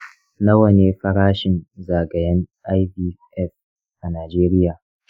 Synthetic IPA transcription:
na˦wɐ˨neː˨ɸɐ˦ɽaː˦ʃɪ˨nzaː˨ɡɐ˨jɐ˦nʔa˦jbiː˦ʔɛ˦˨f | ʔa˨naː˨d͡ʒeː˦ɾɪ˦jaː˨

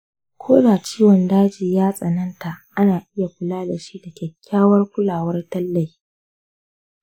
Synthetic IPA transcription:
kʷʰoː˦daː˨t͡ʃiː˦wɔ˨ndaː˦d͡ʒiː˨jaː˦sʼɐ˨nɐ˦nta˨ʔʔa˦naː˨ʔɪ˦ja˨kʷʊ˨laː˦da˨ʃi˦da˨kʲɛ˨kʲʰːaː˦wɐ˦rkʷʊ˦laː˨wɐ˦rtɐ˦lːɐ˨j

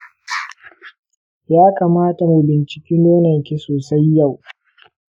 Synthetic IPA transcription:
jaː˦kaː˨maː˦ta˨ma˨jbɪ˨nt͡ʃɪ̥˨kʲiː˦noː˦nɐ˨ŋkʲi˦soː˨sa˦jːa˦˨w

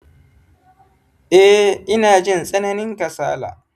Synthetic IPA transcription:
ʔɛ˦ʔɪ˦naː˨d͡ʒɪ˦nsʼɐ˦nɐ˦nɪ˦ŋka˨sa̰ː˦la̰ː˨

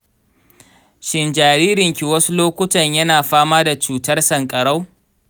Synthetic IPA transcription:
ʃɪ˦˨nd͡ʒaː˨ɾiː˦ɾɪ˨ŋkʲi˨wɐ˦su˦loː˦kʷʊ˦tɐ˨ɲjɐ˦naː˨ɸaː˦maː˦da˨t͡ʃuː˨tɐ˦rsɐ˨ŋkʼɐ˨ɽa˦w

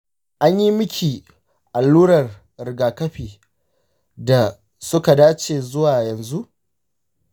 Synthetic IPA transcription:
ʔa˦ɲji˦mʊ˦kʲʰiː˨ | ʔa˨lːuː˦ɽɐ˨r | ɾɪ˨ɡaː˨kɐ˦ɸiː˨ | da˨ | sʊ˦ka˨daː˦t͡ʃeː˨zʊ˦waː˨jɐ˨nzu˦ʔ

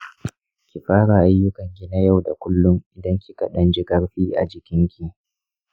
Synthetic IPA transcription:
kʲi˨ɸaː˦ɽa˨ʔa˦jːʊ˦kɐ˨ŋɡʲɪ˦na˦ja˦˨wda˨kʷʊ˦lːʊ˦ŋʔɪ˨dɐ˦ŋkʲi˨kɐ˨ɗɐ˦nd͡ʒɪ˦ɡɐ˦ɽɸiː˦ʔa̰˨d͡ʒɪ˨kʲɪ˦ŋkʲi˨

